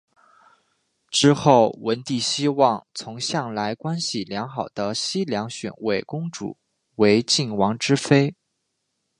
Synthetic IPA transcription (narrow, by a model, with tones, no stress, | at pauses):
ʈ͡ʂɻ̩˥xo˥˩ʊwə˧˥nt̪i˥˩ɕi˥wɑ˥˩ŋt͡sʰʊ˧˥ŋɕjɑ˥˩ŋla˧˥ɪkwa˥nɕi˨˩ljɑ˧˥ŋxɑ˨˩ʊd̪̥ə˦ɕi˥ljɑ˧˥ŋɕɥɛ̰˨˩nwe˥˩ɪkʊ˥ŋʈ͡ʂṵ˨˩˦ | we˧˥ɪt͡ɕi˥˩nwɑ˧˥ŋʈ͡ʂɻ̩˥fe˥ɪ